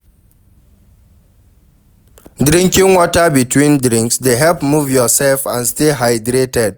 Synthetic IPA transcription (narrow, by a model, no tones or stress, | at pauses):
dɾĩŋkĩŋwɔtabitʰwĩndɾĩŋksdeɦɛlpmuvjɔsɛlfãnsteɦaɪdɾetɛd̚